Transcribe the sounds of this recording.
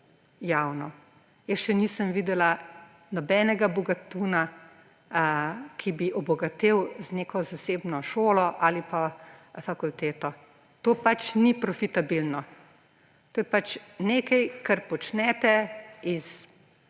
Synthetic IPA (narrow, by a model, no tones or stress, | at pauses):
jawnɔ | jəsʃɛniːsəmʋiːd̪ɛla | nɔbɛːnɛɡabɔɡat̪uːna | kʰibiʔɔbɔɡat̪eːwzneːkʰɔzaseːbnɔʃoːlɔʔalipafakult̪eːt̪ɔ | t̪oːpat͡ʃnipɾɔfit̪abilnɔ | t̪oːjɛpat͡ʃneːkɐjkaɾpɔt͡ʃnɛːt̪ɛiz